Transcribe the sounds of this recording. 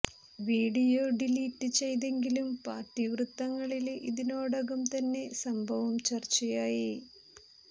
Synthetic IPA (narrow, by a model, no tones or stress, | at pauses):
ʋiːɽijoːɖiliːtːɨt͡ɕe̞jt̪̬e̞ŋɡilumpaːrʈːiʋrut̪ːɐŋːɐɭilʔiðinoːɽɐɣɐmt̪ɐnːe̞sɐmbʱɐʋɐmt͡ɕɐrt͡ɕːɐjaːji